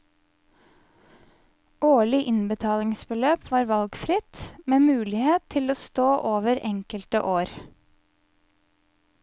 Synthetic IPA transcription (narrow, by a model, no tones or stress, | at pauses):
ʔoːɭɪʔɪnbət̪ʰɑːlɪŋsbəløːpʰʋɑːɾʋɑlɡfɾɪt̪meːmʉːlɪheːt̪ʰːɪloːst̪oːʔoːʋəɾɛŋkəlt̪ə̰ʔoːɾ